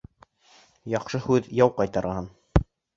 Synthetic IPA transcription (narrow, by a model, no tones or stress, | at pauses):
jɑqʃɤhʉðjɑwqɑjt̪ɑɾɑɑn